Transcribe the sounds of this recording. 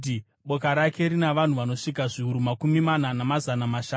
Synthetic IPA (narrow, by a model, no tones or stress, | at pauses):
i | ɓo̞kaɾake̞ɾinaʋan̤uʋano̞ʂik̬aʐiuɾumakumimananamazanamaʃa